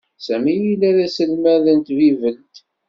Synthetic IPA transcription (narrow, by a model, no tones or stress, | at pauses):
sæmijilæðæsəlmæðənt̪vivəlt̪